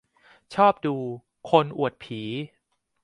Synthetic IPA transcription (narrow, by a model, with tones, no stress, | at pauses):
t͡ɕʰɔː˥˩p̚duː˧ | kʰo˧nʔu˨˩ət̪̚pʰiː˩˦